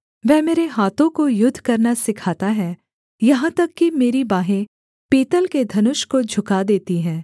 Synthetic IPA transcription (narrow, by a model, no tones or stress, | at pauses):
ʋɛːmeːɾeɦaːt̪õkojʊd̪ʱkɐɾnasɪkʰaːt̪aɦɛː | jɐɦãt̪ɐkːimeːɾibaːɦẽ | peːt̪əlked̪ʱɐnʊʃkod͡ʒʱʊkad̪eːt̪iɦɛ̃ː